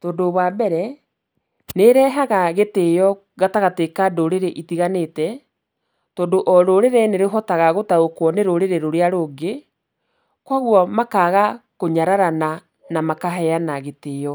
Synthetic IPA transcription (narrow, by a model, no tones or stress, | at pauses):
tɔːndoβwabɛɾɛ | neɾɛɦaɣaɣeteːjɔ | ɣataɣatekadoɾeɾeʔitiɣanetɛ | tɔːndoʔɔɾoɾeɾeneɾeɦɔtaɣaɣotaokwɔneɾoɾeɾeɾoɾeaɾoːɡe | kwaɣwɔmakaɣakoɲaɾaɾana | namakaɦɛanaɣetejɔ